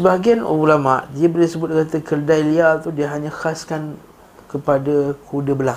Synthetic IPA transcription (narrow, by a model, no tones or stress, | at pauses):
səbaɦaɡianṵbulama̰ʔdiabəlisəbʊt̪̚kat̪akərdajliat̪udiəɦaɲãxaskan | kəpadakʰudəbəla